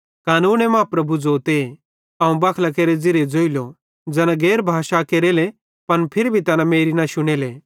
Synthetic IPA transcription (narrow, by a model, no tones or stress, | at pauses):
kaːnuːñemɐãːpɾɐbʱud͡zoːt̪e | ãũbaːkʰlakeːɾed͡zɪɾed͡zoːilo | d͡zɛːnãɡɛːɾbʱaːʃakeːɾeːle | pɐnpʰɪɾbʱit̪ɐnãmeːɾinaʃʊɽ̃eːleː